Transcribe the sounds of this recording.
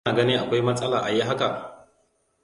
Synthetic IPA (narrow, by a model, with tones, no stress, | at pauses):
aː˨ɡɐ˦ni˦ʔa˨kʷa˦jmɐ˦sʼɐ˦laː˨ʔa˨ji˦ɦa˦ka˨